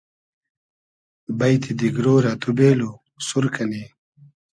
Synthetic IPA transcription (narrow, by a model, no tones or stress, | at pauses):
bɐjt̪ʰid̪iɡɾoːɾat̪ubeːlu | suɾkʰɐni